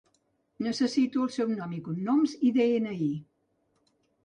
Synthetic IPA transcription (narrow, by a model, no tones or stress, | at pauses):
nəsəsit̪uəlˠsɛwnɔmikunnomziðeenəi